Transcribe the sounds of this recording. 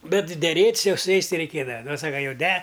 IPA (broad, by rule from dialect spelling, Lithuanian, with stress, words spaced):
ˈbʲɛt dʲɛˈrʲeːtʲsʲ ˈjɛʊ sʊ ˈjɛɪs ˈtʲɪ rʲɛɪˈkʲeːdɐʋɐ ˈnʊ ˈsɑːkɐ jɛʊ dʲɛ